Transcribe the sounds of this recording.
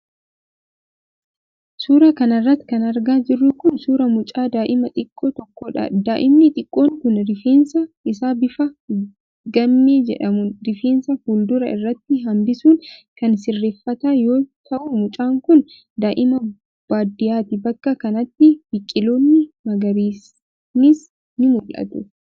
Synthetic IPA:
suːɾɐkɐnɐrːɐt̪ːkɐnɐɾɡaːd͡ʒɪrːʊkʊnsuːɾɐmʊt͡ʃʼaːd̪aːʔɪmɐt̪ʼɪkʼːoːt̪ɔkːoːᶑɐ̰d̪aːʔɪmnɪt̪ʼɪkʼːo̞ːŋkʊnɾɪfeːnsɐʔɪsaːbɪfɐ | ɡɐmːe̞ːd͡ʒɛ̰ᶑɐmʊɾɪfeːnsɐhuːld̪ʊɾɐɪ̰rːɐt̪ːɪɦɐmbɪsuːnkɐnsɪrːeːfːɐt̪aːjo̞ːt̪ʰɐʔumʊt͡ʃʼaːŋkʊn | d̪aːʔɪmɐ | b̥aːd̪ɪjaːt̪ɪbɐkːɐkɐnɐt̪ːɪbɪkʼːɪlo̞ːnːɪmɐɡɐɾiːs | nɪs | nɪmʊlʔɐ̰t̪ʊ

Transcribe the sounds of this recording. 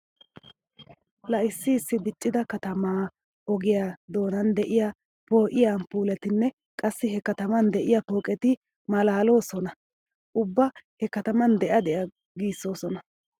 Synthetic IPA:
lɐʔɪsːɪːsːɪb̪ɪt͡ʃʼːɪd̪ɐkɐt̪ɐmaː | ɔɡɪjad̪o̞ːnɐnd̪ɛʔɪja | po̞ːʔɪjanpuːlɛt̪ɪnːɛ | kʼɐsːɪhɛkɐt̪ɐmɐnd̪ɛʔɪjɐpo̞ːkʼɛt̪ɪ | mɐlaːlo̞ːsɔnɐ | ʔʊbːɐhɛkɐt̪ɐmɐnd̪ɛʔɐd̪ɛʔɐ | ɡiːsːo̞ːsɔnɐ

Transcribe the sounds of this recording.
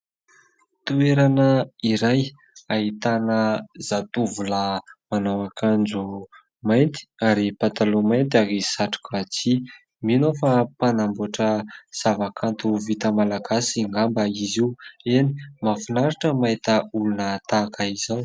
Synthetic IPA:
t̪ueɾanəiɾaj | ait̪anəz̥at̪uvuləmanawakand͡zu | majnt̪i̥aɾipat̪alomajnt̪aɾisaʈ͡ʂu̥kat͡si | minofapanambuʈ͡ʂəz̥avakʰant̪uvit̪əmalaɡasiŋɡambəiziweni̥mafunaɾaʈ͡ʂəmajt̪əulunət̪akəizaw

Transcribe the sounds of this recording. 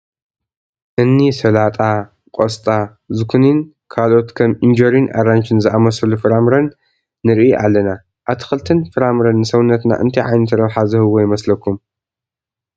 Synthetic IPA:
ʔɨnːisɐlat̪ʼa | kʼost̪ʼa | zɨkʰunin | kʰalʔo̞t̪kʰɐmind͡ʒoɾinʔa̰ɾant͡ʃʰɨnzɨʔamɐsɐlufɨɾamɾɐnː | ɨɾʔiʔalːɐna | ʔaβt̪ʰɨ̥xɨlt̪ʰɨnfɨɾamɾɐnːɨsɐwʊnːɐt̪na̰ʔɨ̰nt̪ʰiʕajnɨt̪ʰɐɾɐβħazɨhɨwːojɪmɐslɐkʰːum

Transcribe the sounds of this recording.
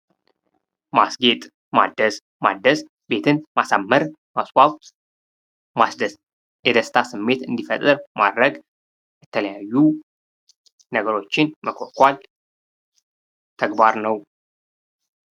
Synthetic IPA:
masɡe̞t̪ʼ | ma̰d̪əs | ma̰d̪əs | be̞t̪ʰɨnmasamːəɾ | maswawt̪ʼ | masd̪əs | jɛd̪əst̪ʰasɨmːe̞t̪ɨnd̪ifət̪ʼɨɾmad̪ɾəɡ | jɛt̪ʰələjajːu | nəɡəɾo̞t͡ʃːɪnməkʰokʷʼal | t̪ʰəɡbaɾnəw

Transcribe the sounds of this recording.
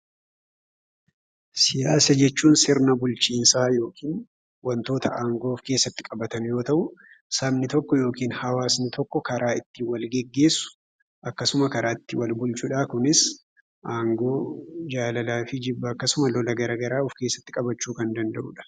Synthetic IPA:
sɪjaːsɐd͡ʒɛt͡ʃːuːnsɪɾnɐbʊlt͡ʃiːnsaːjo̞ːkʰiːn | wɐnt̪o̞ːt̪ʰɐʔaːŋɡo̞ːfke̞ːsːɐt̪ːɪkʼɐbɐt̪ɐnjo̞ːt̪ɐʔʊ | sɐbnɪt̪ɔkːɔjo̞ːkiːnhɐwaːsnɪt̪ʰɔkːɔkɐɾʔaːɪt̪ːɪwɐlɡɛɡːe̞ːsʊ̥ | ʔɐkːɐsʊmɐkɐɾaːɪt̪ːɪwɐlbʊlt͡ʃʊᶑakʊnɪs | ʔaːŋɡo̞ːd͡ʒaːlɐlaːfɪd͡ʒɪbːɐːkːɐsʊmɐlɔlɐɡɐɾɐɡɐɾaːʊfke̞ːsːɐ̥t̪ːɪkʼɐbɐt͡ʃːuːkɐnd̪ɐnd̪ɐʔʊ̰ᶑɐ̥

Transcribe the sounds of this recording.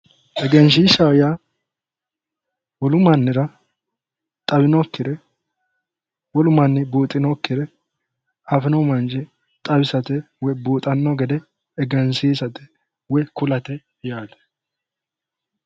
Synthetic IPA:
ʔɛɡɛns̬iʃɐwja | wɔlʊmɐnːɪɾɐ | t̪ʼɐbɪnɔkːɪd̪ɛ | wɔlʊmɐnːɪboːt̪ʼːɪnɔkːɪd̪ɛ | afɛnɔmɐnd͡ʒɪ | t̪ʼɐbɪsɐt̪ɛ | wɔjboːt̪ʼɐnːɔɡɛd̪ɛː | ɡɛnsiːsɐt̪ɛ̥ | wɔkʊlɐt̪ɛ | jaːd̪ɛ̥

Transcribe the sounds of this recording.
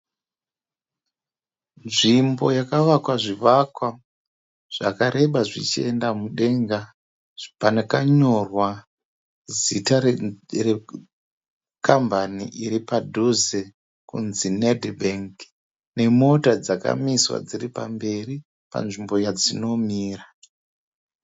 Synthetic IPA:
nʐimbo̞jakaʋakwaʐiʋakwa | ʐ̥akaɾʔe̞ɓaʐit͡ʃie̞ndamuɗe̞ŋɡa | panakaɲo̞rwa | zitare | kambanḭʔiɾipadʱuze | kunzinedbʱeŋk | ne̞mo̞tad͡zaka̰miswa̰d͡ziɾipa̰mbe̞ri | pa̰nʐimbo̞jad͡zino̞miːra

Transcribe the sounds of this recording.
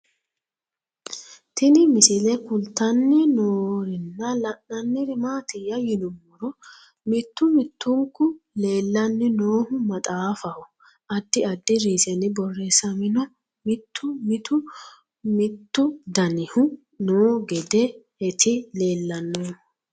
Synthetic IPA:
t̪ʰɪnɪmɪsɪlɛkʊlt̪ːɐnːɪnoːɾɪnːɐlɐnːɐnːɪɾɪmaːt̪ɪjɐjɪnʊmːɔɾɔ | mɪt̪ːʊmɪt̪ːʊŋkːʊle̞ːlːɐnːɪnoːhʊmɐt̪ʼaːfɐhɔ | ʔɐd̪ːɪɐd̪ːɪɾiːsɛnɪbɔrːɛsɐmɪnɔ | mɪt̪ʰːʊmɪt̪ʊ | mɪt̪ːʊd̪ɐnɪhʊ | noːɡɛd̪ɛ | ɛt̪ʰɪle̞ːlːɐnːoː

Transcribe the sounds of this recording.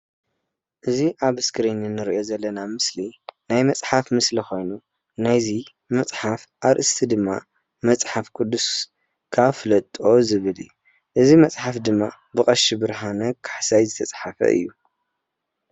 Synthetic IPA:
ʔɨziʔaβɨskɨɾinɨnːɨɾiʔo̞zɐlːɐnamɨslinajmɐt͡sʼħafmɨslixo̞jnu | najzi | mɐt͡sʼħafʔaɾʔɨst̪ʰid̪ɨmːa̰ | mɐt͡sʼħafkʰʼʊd̪ːus | kʰaβfɨlɐt̪ʼo̞zɨβɨlɨjːu | ʔɨzimɐt͡sʼħafd̪ɨmːa | bɨχʼɐʃibɨɾɦanɐkʰḁħsajzɨt̪ʰɐt͡sʼħafɐ̰ʔɨ̰jːu

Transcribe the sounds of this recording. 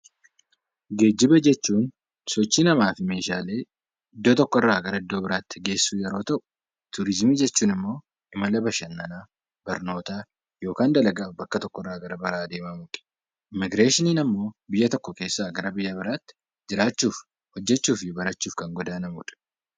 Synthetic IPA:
ɡe̞ːd͡ʒːɪbɐd͡ʒɛt͡ʃːuːn | sɔt͡ʃːiːnɐmaːfɪme̞ːʃaːle̞ː | ɪd̪ːoːt̪ɔkːɔɪrːaːɡɐɾɐɪd̪ːo̞ːbɪɾaːt̪ːɪɡe̞ːsːuːjɛɾo̞ːt̪ɐʔʊ̥ | t̪ʊɾɪzmid͡ʒɛt͡ʃːuːnɪmːo̞ː | ɪmɐlɐbɐʃɐnːɐnaː | bɐɾno̞ːt̪aː | jo̞ːkaːnd̪ɐlɐɡaːbɐkːɐt̪ɔkːɔɪrːaːɡɐɾɐbɐɾaːd̪e̞ːmɐmʊᶑɛ̥ | ʔɪmːɪɡɾeːʃɪniːnɐmːo̞ːbɪjːɐt̪ɔkːɔke̞ːsːaːɡɐɾɐbɪjːɐbɪɾaːt̪ːɪ̥ | d͡ʒɪɾaːt͡ʃːuːf | hɔd͡ʒːɛt͡ʃːuːfɪbɐɾɐt͡ʃːuːfkɐŋɡɔd̪aːnɐmʊᶑɐ̥

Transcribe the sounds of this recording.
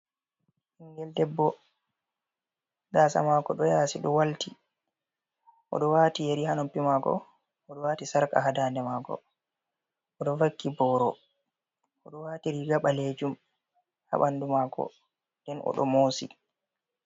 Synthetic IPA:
hiŋɡɛldɛbːɔ | daːsa̰maːkɔɗɔjaːsiɗɔwalti | ʔɔ̰ɗɔwaːtijeɾihanɔmpːimaɡɔ̰ː | ɗɔwaːtisaɾka̰ɦadaːndɛmaːɡɔ̰ | ɔɗɔvakːibɔɾɔ | ɔɗɔwaːtiɾiɡaɓaled͡ʒum | ha̰ɓandumaːkɔ̰ | ndɛnʔɔ̰ɗɔ̰mosḭ

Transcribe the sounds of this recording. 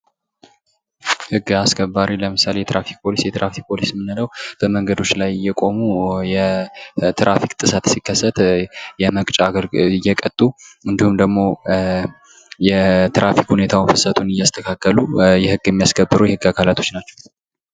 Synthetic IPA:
hɨɡːaskʰəbːaɾiləmɨsale̞jɛt̪ɾafik̚pʰo̞lisjɛt̪ɨɾʔafik̚pʰo̞lismːɨnɨləwb̥əməŋɡəd̪o̞t͡ʃːlajjːɛkʼo̞mujɛ | t̪ʰɾʔafikʼt̪ʼɨsat̪sikːəsːət̪jɛməkʼt͡ʃʼaɡəlɨjːɛkʼət̪ʼuɨnd̪ihumd̪əɡmo̞ | jɛt̪ɾʔafikhune̞t̪ʰawunfɨsət̪ʰunɨjːast̪ʰəkʰakːəlujɛhɨɡːɛmːijasɡəbːɨɾuwjɛhɨɡːakʰalat̪ʰo̞t͡ʃnat͡ʃːɛw

